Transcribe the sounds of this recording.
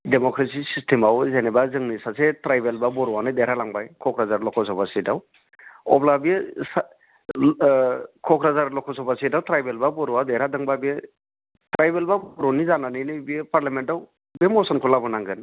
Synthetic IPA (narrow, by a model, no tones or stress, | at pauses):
demɔkɾesisistʰemawzenɛbazɯŋnisasetɾajbelbabɔɾuwanɯdeɾalaŋbajkʰɔkɾazaɾlɔkʰɔsɔbasidaw | ɔ̰blabies | kʰɔkʰɾazaɾlɔkʰɔsʰɔbasidawtɾajbelbabɔɾuwadeɾadɯŋbabie | tɾajbelbabɔɾɔnizananɯnɯbiepaɾlamentaw | bemɔsɔnkʰɔlabɔnaŋɡɯn